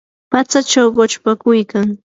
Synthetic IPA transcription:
pat͡sat͡ʃawɢot͡ʃpakʊjkaŋ

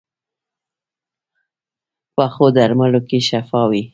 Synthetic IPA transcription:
paxod̪aɾmalokeʃafɑwi

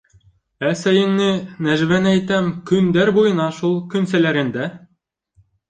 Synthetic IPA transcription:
æsæjɘ̆ŋnɘnæʒβænæjt̪æmkɵ̆nd̪æɾbujɤ̆nɑʃulˠkɵ̆nsælæɾɘ̆nd̪æ

